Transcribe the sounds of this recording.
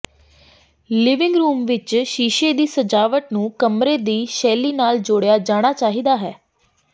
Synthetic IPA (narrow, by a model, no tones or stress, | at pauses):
lɪʋɪ̃ŋɡɾuːmʋɪt͡ʃʃiːʃeːd̪iːsəd͡ʒaːʋəʈnũːkəmɾeːd̪iːʃɛːliːnaːld͡ʒʊɽejaːd͡ʒaːɽ̃aːt͡ʃaːɦiːd̪aːɦɛː